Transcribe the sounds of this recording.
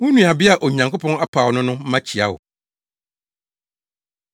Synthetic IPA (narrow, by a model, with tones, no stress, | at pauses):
wʊ̃˦nũ˨a˨bɪ˦a˨ʔo˨ɲã˨ŋkʰo˦pʰɔ̃˦na˦pʰa˨wnʊ̃˦nʊ̃˦m̩˦mã˦t͡ɕʰi˨a̰˦wʊ̰˨